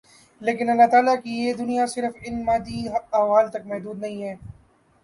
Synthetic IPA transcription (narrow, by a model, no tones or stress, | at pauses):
leːkɪnɐlːaːt̪aːlakijeːd̪ʊnijasɪɾəfɪnmaːd̪iaːʋaːlt̪ɐk̚mɛɦd̪uːd̪nɐɦĩɦɛː